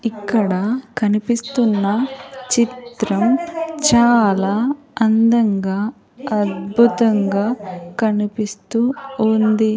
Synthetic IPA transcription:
ikːɐɽɐkɐnipist̪unːɐt͡ʃit̪ɾɐmt͡ʃaːlaː | ɐnd̪ɐŋɡaː | ɐd̪bʱut̪ɐŋɡaːkɐnipist̪uːnd̪i

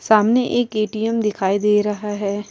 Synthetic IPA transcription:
saːmneʔeːkeːʈijɛmd̪ɪkʰaːid̪eːɾɐɦaɦɛː

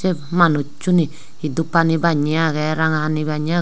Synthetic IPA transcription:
emanot͡ʃuni | idupanibaɲiaɣɛɾaŋanibaɲia

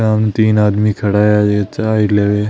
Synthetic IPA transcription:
amnet̪iːnaːd̪mikʰɐɽaːjad͡ʒeːt͡ʃaːileːʋe

